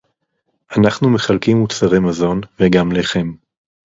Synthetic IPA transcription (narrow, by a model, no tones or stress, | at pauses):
ʔanaχnume̞χalkimut͡saʁemazo̞nveɡamleχe̞m